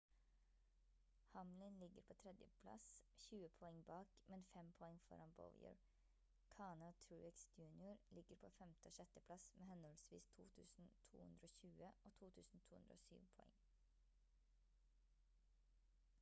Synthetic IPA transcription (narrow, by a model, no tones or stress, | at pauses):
hɑmlɪnlɪɡəɾpʰoːt̪ʰɾɛd̪jəpʰlɑ̰sçʉːəpʰɔɛŋbɑːkmɛnfɛmpʰɔɛŋfɔ̰ɾɑnbɔ̰ʊjə̰ɹ | kʰɑːnɑt̪ʰʉːɪksdjʉːnɪʊɾlɪɡəɾpʰoːfɛmt̪əoːʃɛt̪əpʰlɑsmʔeːhɛnɔlsʋḭːst̪ʰṵːt̪ʰʉ̰ːsn̩t̪ʰṵːhʉ̰nd̪ɾəoːçʉːəʔoːt̪ʰuːt̪ʰʉːsn̩t̪ʰuːhʉnd̪ɾəo̰ːsy̰ːʋpʰɔɛ̰ŋ